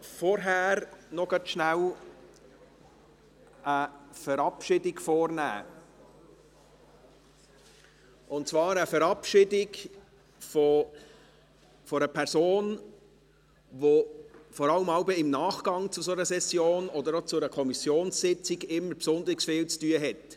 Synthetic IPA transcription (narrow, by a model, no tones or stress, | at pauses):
fɔɾɦæːɾnɔɡ̥ɑt̪ʃnæw | əfəɾɑpʃɪdɪɡfɔːɾnæ̰ː | ʔʊnt̚t͡svɑːɾəfəɾɑpʃɪdɪɡ | fɔ | fɔɾəpʰɛɾsoːn | vofɔɾɑləmɑʊbəɪmnɑːχɡ̥ɑŋt͡sʊsonəsɛsjoːnɔd̪əɾot͡sʊɛɾəkʰɔmisjoːnssɪt͡sɪɡɪmːəpsʊnd̪ɾɪksfɪːlt͡styːəɦɛt